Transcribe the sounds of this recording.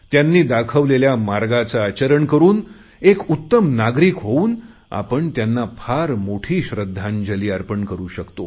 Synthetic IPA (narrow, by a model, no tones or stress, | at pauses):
t̪janːiːd̪akʰəʋleljamaɾɡat͡saːt͡ɕəɾəɳkəɾuːn | ekut̪ːəmnaɡɾiːkɦouːn | a̰pəɳt̪janːapʰaɾmoʈʰiːɕɾəd̪ʱːãnd͡ʑəliːaɾpəɳkəɾuːɕəkt̪o